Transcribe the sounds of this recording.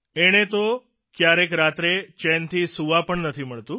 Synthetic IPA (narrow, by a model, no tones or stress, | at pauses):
eɽ̃et̪o | kjaɾekɾat̪ɾet͡ʃɛnt̪ʰisuʋapəɳnət̪ʰiməɭt̪ũ